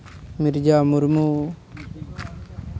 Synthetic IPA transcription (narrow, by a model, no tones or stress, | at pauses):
miɾd͡ʒaːmuɾmuː